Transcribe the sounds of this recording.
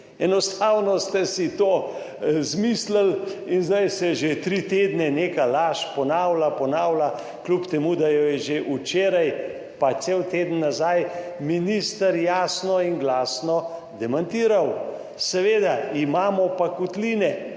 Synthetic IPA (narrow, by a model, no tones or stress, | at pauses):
ɛnɔst̪aːwnɔst̪ɛsit̪oː | zmislalinzd̪ajsɛʒet̪ɾit̪eːd̪nɛnekalaːʃpɔnaːwlapɔnaːwla | klupt̪ɛmud̪ajɔjɛʒeʔut͡ʃeːɾaj | pasewt̪eːd̪ən̩ːazajminist̪əɾjaːsnɔinɡlaːsnɔ | d̪ɛmant̪iːɾaw | sɛʋeːd̪aimaːmɔpakut̪liːnɛ